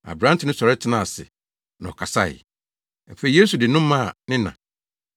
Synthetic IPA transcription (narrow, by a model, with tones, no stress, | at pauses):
a̰˨bɾã˦n̩˦tɪ˦nʊ̃˦sɔ˨ɾɛ˦tʰɪ˨nã˦˨a˨sɪ̰˨ | nã̰˨ɔ˨kʰa˨sa̰˦˨ɪ̰˨˦ | m̩˨fe˨i˨je˦su˨dɪ˨nʊ̃˦m˦mã˦˨nɪ̃˦nã̰˨